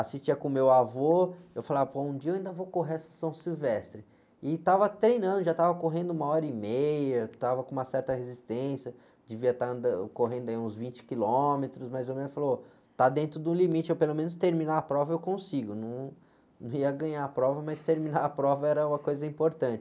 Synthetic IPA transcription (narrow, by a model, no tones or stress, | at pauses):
asist͡ʃiɐkõmewavoewfalavɐpoũd͡ʒiɐewaĩnd̪ɐvokoɦeɐsɐ̥sɐ̃w̃siwvɛst̪ɾɪ | ɪt̪avɐt̪ɾejnɐ̃nd̪ʊʒat̪avɐkoɦẽnd̪ʊũmɐɔɾɐimejɐt̪avɐkõũmɐsɛɾt̪ɐhezist̪ẽsjɐ | d͡ʒɪviɐt̪aɐ̃nd̪ɐkoɦẽnd̪ʊɐiũzvĩt͡ʃɪ̥kilomet̪ɾʊsmɐjzewmẽfalo | t̪ad̪ẽnt̪ɾʊd̪ũlimit͡ʃɪewpelomẽnʊs̬t̪eɾmĩnaɐpɾɔvɐewkõsiɡʊnɐ̃w̃ | nɐ̃w̃iɐɡɐ̃ɲaapɾɔvɐmɐjst̪eɾmĩnaɾapɾɔvɐɛɾɐũmɐkojzɐĩmpoɾt̪ɐ̃nt͡ʃɪ